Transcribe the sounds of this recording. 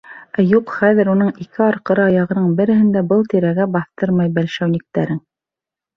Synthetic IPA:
æjuqχæðɘ̆ɾunɤɴikɘɑɾqɤ̆ɾɤɑjɑʁɤ̆nɤɴbɘ̆ɾɘ̆hɘ̆nd̪æbɤlˠt̪iɾæɡæbɑθt̪ɤɾmɑjbælʃæwnɘ̆k̚t̪æɾɘŋ

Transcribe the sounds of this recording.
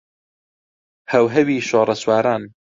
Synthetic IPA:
hɐwɦɐwiːʃoːɾˤɐswaːɾaːn

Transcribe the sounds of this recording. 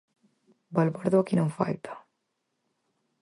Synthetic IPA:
balβaɾðoakinõŋfa̰lt̪ḁ

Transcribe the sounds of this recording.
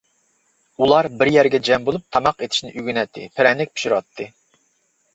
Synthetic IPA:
ulˠɑɾbɪɾjɛɾɡʲɛd͡ʒɛmbolˠup̚t̪ʰɑmɑqet̪ʰʃnɪʔyɡʲynɛt̪ʰːɪ̰pʰɪɾɛnlɪk̚ʲpʰi̥ʃiɾɑt̪ʰːɨ

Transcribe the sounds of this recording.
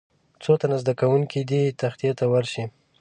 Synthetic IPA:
t͡sot̪anazd̪akawuŋkid̪it̪axt̪ijet̪awaɾʃi

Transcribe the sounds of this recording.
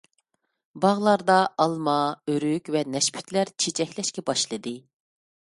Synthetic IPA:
bɑʁlˠɑɾd̪ɑʔɑlˠmɑøɾykʲvɛnɛʃpʰy̥t̪ʰlæɾt͡ʃʰet͡ʃʰɛkʲlɛʃkʲɛbɑʃlˠɨd̪ɨ

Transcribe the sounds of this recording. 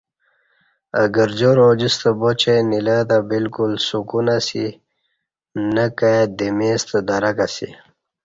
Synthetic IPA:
ə̰ɡəɾd͡ʑoɾod͡ʑist̪əbot͡ɕejnilat̪abilkulsukunasḭ | nəkajd̪emeːst̪əd̪aɾakasḭ

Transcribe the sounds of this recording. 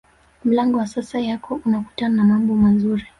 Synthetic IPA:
m̩laŋɡɔwasasajakɔunaku̥tananamambɔmazuɾi

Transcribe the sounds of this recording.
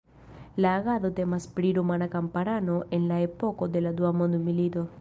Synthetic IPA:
laːɣaðot̪emaspɾiɾumanakampaɾanoʔenlaepokod̪elad̪uamond̪umilid̪o

